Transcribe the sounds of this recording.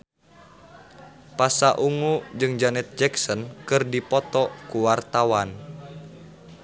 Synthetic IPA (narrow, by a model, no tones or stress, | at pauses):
pasaʔuŋud͡ʒɨŋd͡ʒanɛt̪̚d͡ʒɛksɔnkɨrdipɔt̪ɔkuwart̪awan